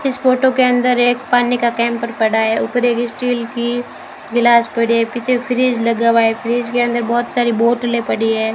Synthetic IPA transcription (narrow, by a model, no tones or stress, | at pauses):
ɪsfoːʈokeɐ̃nd̪əɾeːkpaːnikakɛ̃ːmpəɾpɐɽaɛʊpəɾeːkɪsʈiːlki | ɡɪlaːspɐɽ̤iɛpit͡ʃʰefɪɾiːd͡ʒlɐɡaʋaefʰɪɾiːd͡ʒkeɐ̃nd̪əɾbɔːt̪saːɾiboːʈlepɐɽiɦɛː